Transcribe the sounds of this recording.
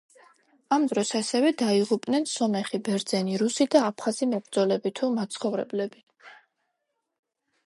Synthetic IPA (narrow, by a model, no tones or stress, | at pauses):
amd̪ɾɔsasɛvɛd̪aiʁupʼnɛnsɔmɛχibɛɾd̪zɛniɾusid̪aːpʰχazimɔbɾd̪zɔlɛbit̪ʰumat̪sʰχɔvɾɛ̰blɛbi